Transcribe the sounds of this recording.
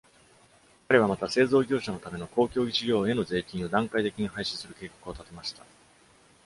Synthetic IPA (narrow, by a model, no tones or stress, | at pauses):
kaɾe̞β̞amat̪ase̞ːzo̞ːɡʲo̞ːɕano̞t̪ame̞no̞ko̞ːkʲo̞ːit͡ɕiɡʲo̞ːe̞no̞ze̞ːkʲĩɰ̃o̞d̪ãŋkait̪e̞kʲiɲ̟ihaiɕi̥sɨɾɯ̟ke̞ːkḁkɯ̟o̞t̪at̪e̞maɕi̥t̪a